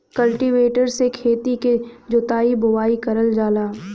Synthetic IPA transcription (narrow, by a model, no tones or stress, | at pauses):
kɐlʈiʋeːʈəɾsekʰeːt̪iked͡ʒʊt̪aːibʊwaːikɐɾəld͡ʒaːlaː